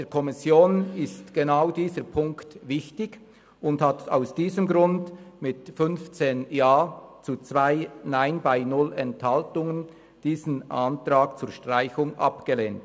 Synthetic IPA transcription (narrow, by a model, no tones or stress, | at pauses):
ddeːkʰɔmɪsjoːnɪstɡ̥enaʊdiːzəɾpʰʊŋktvɪçtɪɡ | ʊndhata̰ʊsd̥iːzəmɡɾʊndmɪtfʏnft͡seːnjaːt͡sut͡sv̥aɪnaɪnbaɪnʊlɛnthaltʊŋən | d̥iːzənʔantɾaːɡt͡suːɾʃtʁ̥aɪçʊŋʔa̰pɡ̥əleːnt